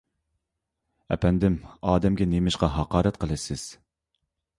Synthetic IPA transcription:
ɛ̰pʰɛnd̪ɪmɑːd̪ɛmɡʲɛnemɪʃqɑɦɑqɑːɾɛt̪̚qʰəlˠɨsɪz̥

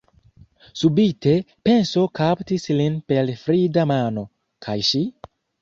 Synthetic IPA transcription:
subite̞ | pe̞nso̞kaptislinpe̞lfɾidamano̞ | kʰajʃi

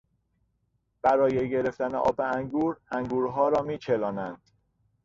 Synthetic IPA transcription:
b̥æɾɒːjeɟeɾe̞ft̪æneʔɒ̰ːbeæŋɡuːɾæŋɡuːɾɦɒːɾɒːmiːt͡ʃʰelɒːnænd̪̥

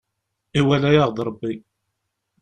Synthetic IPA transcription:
iwælæjaʁðɾˤəbːi

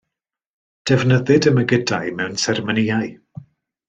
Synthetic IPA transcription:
d̥ɛvnəðɨdəməɡədajmɛwnsɛrməniːaɨ

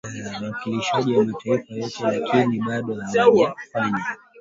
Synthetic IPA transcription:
awakiliʃaʄiwamataifajɔtɛlakʰiniɓaɗɔhawaaku̥faɲa

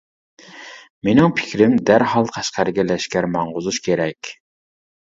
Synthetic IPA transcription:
menɪŋpʰɪ̥kʲɾɪmd̪æɾhɑlˠqʰæʃqæɾɡʲɛlɛʃkʲæɾmɑɴʁʊzuʃkʲʰeɾɛkʲ

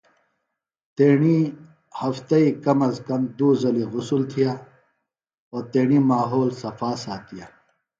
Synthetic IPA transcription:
t̪eːɳi | hɐft̪ɐiːkɐmɐskɐmd̪uːzɐliɣʊsult̪ʰijaː | oːɾt̪eːɳiːmaːɦoːlsɐfaːsaːt̪ijaː

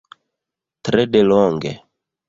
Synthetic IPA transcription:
t̪ɾɛdelɔŋɡḛ

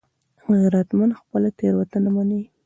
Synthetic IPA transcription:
ɣaɾat̪manxpəlat̪eɾwat̪anamani

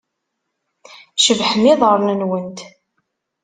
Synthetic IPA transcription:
ʃəvħmɪðˤʁəɾˤnənwənt̪

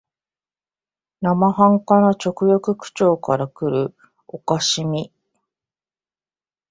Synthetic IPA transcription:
namahãŋkanat͡ɕo̞kɯ̟jakɯ̟kɯ̟̥t͡ɕo̞ːkaɾakɯ̟ɾɯ̟ | o̞kaɕimʲi

